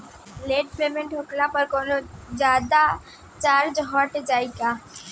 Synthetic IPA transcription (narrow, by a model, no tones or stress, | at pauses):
leːʈ̚pemeɳʈɦoklapəɾkonod͡ʒaːd̪a | t͡ʃaɾd͡ʒɦɔʈed͡ʒaːika